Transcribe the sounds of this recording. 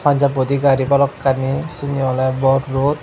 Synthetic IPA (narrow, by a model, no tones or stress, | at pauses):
faɲd͡ʒabot̪ikaɾipalɔkːanisiɲɔlɛbɔrut̪̚